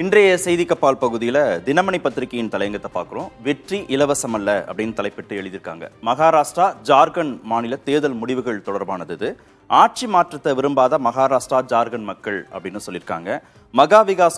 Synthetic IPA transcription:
ɪndrɐjɐsɛjðɪkːɐpːaːlpɐɣɯðɪjɪlɐd̪ɪnɐmɐɳɪpːɐt̪ːɪɾɪkːɐjɪnt̪ɐlɐjɐŋɡɐt̪ːɐpːa̰ːɾkɯrõːʋɛʈriʔɪlɐʋɐsɐmɐlːɐɐ̰pːɐɽɪnːɯt̪ɐlɐɪpːɪʈːɯɛɭɯðɪɾɯkːa̰ːŋɡɐ̰mɐɣaːɾaːʂʈɾaːd͡ʒaːɾɣɐnmaːnɪlɐt̪eːðɐlmʊɽɪʋɯɣɐɭt̪ɔɽɐɾbaːnɐðɯɪðɯ | aːʈ̚t͡ʃimaːʈrɐt̪ːɐʋɪɾɯmbaːðɐmɐɣaːɾaːʂʈraːd͡ʒaːɾɣɐnmɐkːɐɭɐ̰pːɐɽɪnːɯsɔlːɪɾɯkːa̰ːŋɡɐ | mɐɣaːʋɪɣaːs

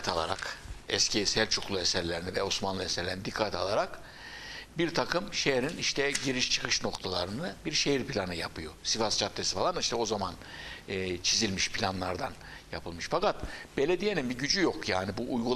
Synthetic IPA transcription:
t̪ʰalˠa̰ɾa̰kɛscisælʲt͡ʃʰukʰlˠuɛsɛɾlʲeɾinivɛo̞smanlˠɯesɛɾlʲeɾinid̪ikʰːat̪ʰa̰lˠaɾak | biɾt̪ʰakʰɯmʃejɾiniʃt̪ʰɛɟiɾiʃt͡ʃʰɯ̥kʰɯʃno̞kt̪ʰalˠaɾɯnɯbiɾʃejiɾpʰilʲanɯjapʰɯjosifast͡ʃʰap̚t̪ʰesifalˠaniʃt̪ʰɛo̞zamanː | t͡ʃʰizilʲmiʃpʰilʲanlˠaɾd̪an | japʰɯlˠmɯʃfakat̪̚b̥e̞lʲed̪ijenimbiɟyd͡ʒyjokjaːnibuʔːjɡu

